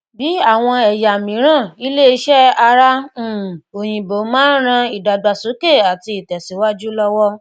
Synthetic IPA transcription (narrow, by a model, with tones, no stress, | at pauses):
bi˨˦a˦˨w̃ɔ̃˧ɛ˨ja˨mĩ˨˦ɾ̃ã˦˨i˦le˦i˧ʃɛ˦a˧ɾã˦˨o˨j̃ĩ˨bo˨˦mãː˦n˦ɾ̃ã˧i˨da˨da˨so˨˦ke˦˨a˨ti˧i˨tɛ˨si˨˦wa˦d͡ʒu˦lɔ˦wɔ˦